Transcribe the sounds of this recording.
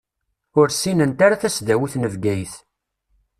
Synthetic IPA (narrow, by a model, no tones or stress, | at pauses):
ʊɾsinənt̪aɾaθæsðæwiθnəvɡæjθ